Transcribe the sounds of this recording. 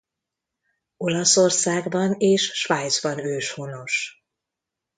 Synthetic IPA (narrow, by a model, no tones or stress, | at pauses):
o̞lɒso̞rsaːɡbɒneːʃːʋaːjd̪zbɒnøːʃhono̞ʃ